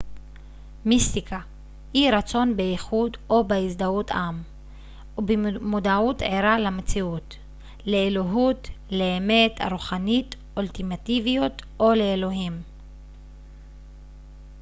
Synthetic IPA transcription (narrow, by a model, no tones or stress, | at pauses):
mist̪ikʰa | hiɾat͡so̞nbeiχudo̞beisd̪aut̪am | ubemod̪autʕeɾalamet͡siut | leːloɦutleːme̞tʰa̰ɾuχanit | oltimativijot̪ʔoleːlo̞ɦim